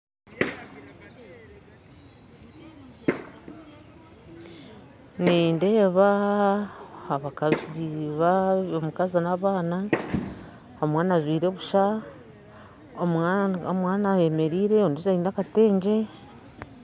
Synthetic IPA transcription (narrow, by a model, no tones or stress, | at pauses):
niːnde̞ːβa | aβakaziiβaomukazinaβaːna | omwaːnazwiːɾeβuʃa | omomwaːnaje̞me̞ɾiːɾe̞onduzaiːnakate̞ːɲɟe̞